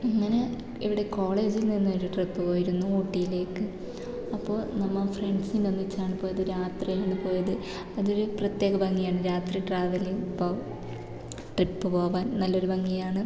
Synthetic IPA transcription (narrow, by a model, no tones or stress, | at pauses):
iŋːɐne | ḭʋiɽe̞ko̞ːɭe̞ːd͡ʑilninːoɾuʈripːɨpo̞ːjiɾunːuoːʈːijile̞ːkːɨ | ɐpːo̞ːɭnɐmːɐfreɳɖsinɐnːit͡ɕːaːɳɨpo̞ːjɐðɨɾaːt̪rijenːɨpo̞ːjɐðɨ | ɐðo̞ɾuprɐt̪je̞ːɡɐbɐŋːijaːɳɨɾaːt̪riʈraːʋɐlipːoː | ʈripːɨpo̞ːʋaːnnɐlːo̞ɾubɐŋːijaːɳɨ